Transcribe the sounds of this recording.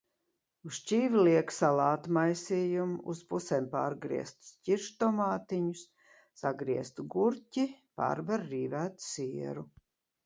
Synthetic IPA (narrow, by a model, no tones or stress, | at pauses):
ust͡ʃiːvliɛksalˠaːt̪majsiːjumuspusɛmpaːɾɡɾḭɛst̪u̥scʲiɾʃt̪ɔmaːt̪iɲusː | aɡɾiɛst̪uɡuɾcʲipa̰ːɾbaɾːiːvæːt̪siɛɾu